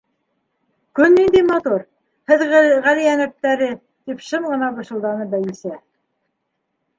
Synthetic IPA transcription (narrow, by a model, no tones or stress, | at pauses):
kɵnːind̪imɑt̪uɾ | hɘðʁʁælijænæp̚t̪æɾɘ | t̪ipʃɤmʁɤ̆nɑbɤ̆ʃɤ̆lˠd̪ɑnɤbæjisæ